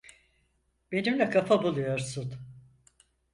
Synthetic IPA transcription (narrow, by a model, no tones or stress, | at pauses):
b̥e̞nimlʲɛkʰafabulˠujo̞ɾsun